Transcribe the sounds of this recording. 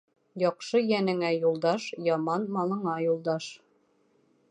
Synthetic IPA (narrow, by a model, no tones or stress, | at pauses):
jɒqʃɤjænɘ̆ŋæjulˠd̪ɑʃjɒmɑnmɑlˠɤ̆ɴɑjulˠd̪ɑʃ